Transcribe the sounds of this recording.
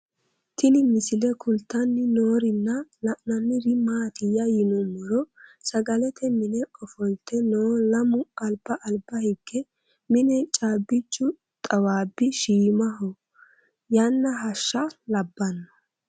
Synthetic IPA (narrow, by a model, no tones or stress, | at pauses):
t̪ʰɪnɪmɪsɪlɛkʰʊlt̪ːɐnːɪnoːɾɪnːɐlɐʔnɐnːɪɾɪmaːt̪ɪjɐjɪnɔmːɔɾɔsɐɡɐlɛt̪ʰɛmɪnɛɔfɔjt̪ːɛnoːlɐmʊɐlbɐʔɐlbɐhɪɡːɛ | mɪnɛt͡ʃʼaːbːɪt͡ʃːʊ | t̪ʼɐwaːbːɪʃiːmɐɦɔ | janːɐɦɐʃːɐlɐbːɐnːɔ̥